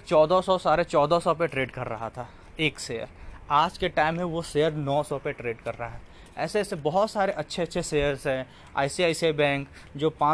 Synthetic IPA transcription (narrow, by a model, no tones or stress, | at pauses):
t͡ʃɔːd̪ʱasɔsaːɾet͡ʃɔːd̪ʱasɔpeʈɾeːɖkɐɾːɐɦat̪ʰaː | eːkseːə̰ɾaːd͡ʒkeʈaːɪmɦẽʋoseəɾnɔːsɔpeʈɾeːɖkɐɾːɐɦaɦɛː | ɛ̰ːsesebɐɦʊt̪saːɾeʔɐtːʃʰeɐtːʃʰeseːəɾzɦɛ̃ | a̰ːɪsiaːɪsiabɛ̃ːŋk | d͡ʒoːpãː